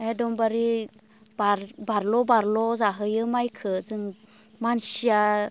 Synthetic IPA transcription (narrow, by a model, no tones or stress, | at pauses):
edɔmbaɾi | baɾbaɾlɔbaɾlɔzaɦɯjɯmajkʰɯd͡zɯŋ | mansia